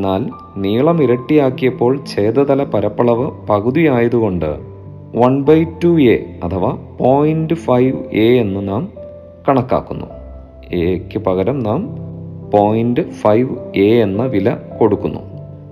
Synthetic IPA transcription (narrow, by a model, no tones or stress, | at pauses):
nːaːl | niːɭɐmiɾɐʈːijaːkːijɐpːo̞ːɭt͡ɕejːd̪ɐt̪ɐlɐpɐɾɐpːɐɭɐʋɨpɐɣuðijaːjɐðuɣo̞ɳɖɨ̰ | ʋɐnbɐjtːueɐt̪ʰɐʋapo̞ːjinɖɨfɐjʋeːenːɨnaːm | kɐɳɐkːa̰ːkːunːṵ | eːkʲːɨpɐɣɐɾɐmnaːmpoːjinɖɨfɐjʋeːenːɐʋilɐko̞ɽukːunːṵ